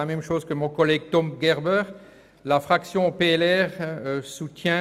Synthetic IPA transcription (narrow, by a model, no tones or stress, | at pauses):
amɛmʃoːzkəmɔ̃kɔlɛɡ̚t̪ɔmɡɛʁbœːʁ | lafχaksjɔ̃peɛlɛʁøsut̪jɛ̃